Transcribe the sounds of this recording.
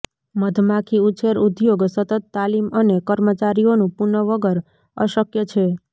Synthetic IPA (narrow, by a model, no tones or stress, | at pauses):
məd̪ʱmãkʰiut͡ʃeɾud̪joɡsət̪ət̪ːalimənekəɾmət͡ʃaɾionũpunəʋəɡəɾ | əʃəkjət͡ʃʰe